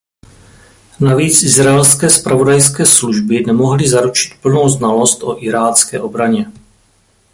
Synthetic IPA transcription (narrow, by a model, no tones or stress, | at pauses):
naviːt͡sʔɪzɾaɛlskɛːspɾʔavo̞dajskɛːsluʒbɪnɛmo̞ɦlɪzaɾut͡ʃɪ̥t̪pl̩nowznalo̞st̪ʔo̞ʔɪɾaːt͡skɛːʔo̞bɾaɲɛ